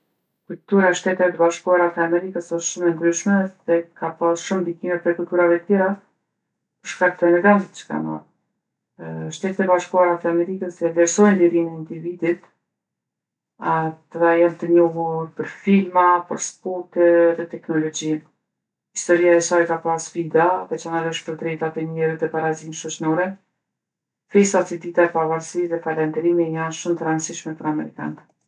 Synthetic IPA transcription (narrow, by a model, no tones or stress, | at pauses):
kult̪uɾaʃt̪ɛt̪ɛvɛt̪əbaʃkuaɾat̪ɛamɛɾikəsɔʃt̪ʃumɛnd̪ɾyʃmɛðɛkapasʃumd̪ikimɛpɾɛkult̪uɾavɛət̪jɛɾa | pəɾʃkak̚t̪əɛnɛɾɡansə̥t̪t͡ʃə̥ka̰ma̰ɾ | ʃt̪ɛt̪ɛt̪ɛbaʃkuaɾat̪ɛamɛɾikəsɛvlɛɾsɔjnliɾinɛind̪ivid̪it̪ | at̪əðajant̪əɲɔɦuɾpəɾfilmapə̰ɾspɔɾt̪ɛðɛt̪ɛknɔlɔd͡ʑin | hist̪ɔɾiaɛsajkapasfid̪aðɛt͡ʃanaɾɔʃpəɾd̪ɾɛjt̪at̪ɛɲɛɾət̪ɛpaɾazinʃɔt͡ʃnɔɾɛ | fɛsasid̪it̪aɛpavaɾsiʃðɛfaland̪ɛɾimijanʃumt̪əɾansiʃmɛpəɾamɛɾika̰n